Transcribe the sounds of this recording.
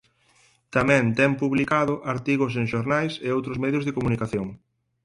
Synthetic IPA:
t̪amɛ̃nt̪ɛmpuβlikaðʊʔaɾt̪iɣʊseŋʃoɾnajseowt̪ɾʊzmɛðjʊzðekomũnikaθjoŋ

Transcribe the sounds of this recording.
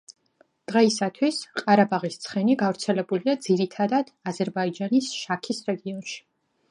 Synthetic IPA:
d̪̥ʁɛisat̪ʰwisqʼaɾabaʁist̪sʰχɛniɡavɾt̪sʰɛlɛbulid̪ad̪ziɾit̪ʰad̪ad̪̥azɛɾbaid͡ʒanisʃakʰisɾɛɡiɔnʃi̥

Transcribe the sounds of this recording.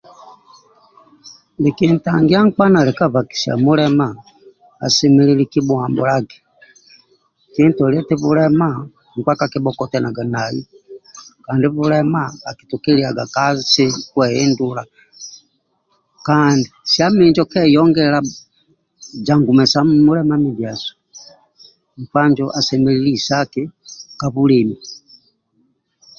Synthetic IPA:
nlikintaŋɡiaŋ̩k͡panalɛkavaki̥sia̰mulɛma | a̰simililikimuambulaɡɛ | kintɔlɛtiβulɛma | ŋ̩kwakakibɔkɔtɛnaɡanajḭ | kandiβulɛmaːki̥tukiliaɡakasikwɛɛndula | kandisiamiɲd͡ʒɔkɛjɔŋɡɛla | d͡ʒaŋɡumɛsamumulɛmamidjasɔ̥ | m̩kwaɲd͡ʒɔʔasɛmɛlilisakikaβulimi

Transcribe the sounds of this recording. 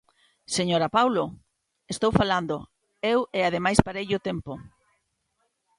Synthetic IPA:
seɲoɾapawlo | est̪owfaland̪o | eweað̞emajspaɾejʎʊt̪empo

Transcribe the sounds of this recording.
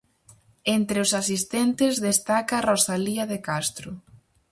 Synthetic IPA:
ent̪ɾeʊsasist̪ent̪ɪzðest̪akɐrosaliɐðekast̪ɾʊ

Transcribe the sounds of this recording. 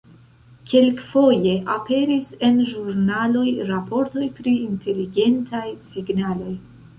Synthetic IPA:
ke̞lkfo̞je̞ʔape̞ɾise̞nʒuɾnalo̞jɾapo̞ɾto̞jpɾiːntʰe̞liɡe̞ntajsiɡnalo̞j

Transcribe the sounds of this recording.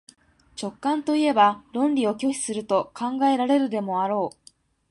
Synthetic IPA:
t͡ɕo̞kːãnt̪o̞ie̞baɾõ̞nɾʲio̞kʲo̞ɕi̥sɨɾɯ̟t̪o̞kãŋɡae̞ɾaɾe̞ɾɯ̟d̪e̞mo̞aɾo̞ː

